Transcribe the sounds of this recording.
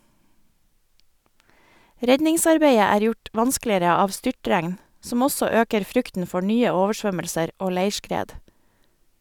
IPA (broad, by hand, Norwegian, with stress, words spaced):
ˈɾɛɟɲɪŋˌsɑɾbeɪə ˈæːɾ ˈjʊʈ ˈʋɑnsklɪəɾə ˈɑːʋ ˈstʏʈɾæŋn ˈsɔm ˈɔsɔ ˈøːkəɾ ˈfɾʉktn̩ ˈfɔ ˈɳyːə ˈoːʋəˌʃʋœməlsəɾ ˈoː ˈleɪʃkɾeːd